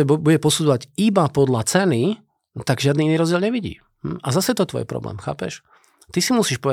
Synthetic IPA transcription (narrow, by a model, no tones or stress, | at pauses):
buɟɛpɔsud͡zɔʋaɟibapɔd̪lat͡sɛni | t̪aɡʒɪad̪niiniːɾɔzɟɪɛlɲɛʋiɟḭː | m̩azasɛjɛt̪ɔt̪ɔ̰jɛ̰pɾɔ̰blɛ̰ːmxa̰ːpɛ̰ʃ | t̪isimusiːʃpɔʋɛ